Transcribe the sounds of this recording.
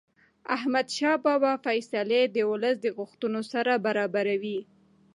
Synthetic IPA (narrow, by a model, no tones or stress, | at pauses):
a̰hmad̪ʃɑbɑbɑfajsaled̪əwʊləsd̪əɣʊxt̪unosaɾabaɾɑbaɾawi